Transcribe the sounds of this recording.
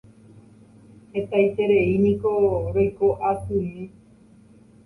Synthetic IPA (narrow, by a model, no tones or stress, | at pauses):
het̪ajt̪eɾe̞inĩko̞ɾojkoʔasuɲi